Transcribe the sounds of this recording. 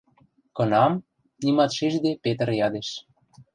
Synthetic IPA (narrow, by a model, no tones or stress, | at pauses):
kɤ̆nɑm | nimɑt̪ʃiʒd̪epet̪ə̆rjɑd̪eʃ